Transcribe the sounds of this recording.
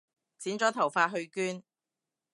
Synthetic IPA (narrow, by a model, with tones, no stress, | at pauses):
t͡siː˨˥nt͡sɔː˨˥t̪ʰɐ˨˩wfaː˧t̚ɦɵ˧ɥkyː˥n